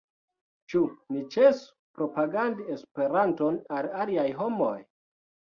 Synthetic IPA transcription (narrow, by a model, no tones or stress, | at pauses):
t͡ʃunit͡ʃesu̥ | pɾo̞paɡandiespe̞ɾanto̞nalaliajɦo̞moj